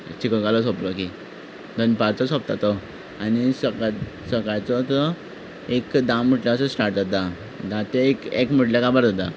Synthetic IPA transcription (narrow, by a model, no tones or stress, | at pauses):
t͡ɕikəkalɔsoplɔki | d̪ənpaɾt͡sɔsɔp̚t̪at̪ɔ | anisəɡa | səɡajt͡sɔt͡sɔ | ekd̪ãm̤əʈlãsəsʈaɾt̪at̪̚d̪a | d̪at̪eekekm̤əʈlakabəɾd̪ad̪a̰